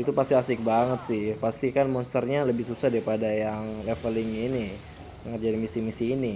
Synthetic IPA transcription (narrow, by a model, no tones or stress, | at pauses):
it̪upast̪iasɪk̚baŋət̪̚sɪhpast̪ikanmɔnst̪ərɲaləbɪhsusahdaɾipadajaŋlɛfəlɪŋini | əŋərd͡ʒadimisimisiːni